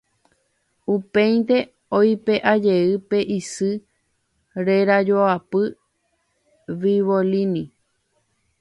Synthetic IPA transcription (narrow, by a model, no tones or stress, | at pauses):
upẽjnt̪e̞ | ojpe̞ʔad͡ʒe̞ɨpe̞ʔisɨ | ɾe̞ɾad͡ʒoapɨ | ʋiʋolini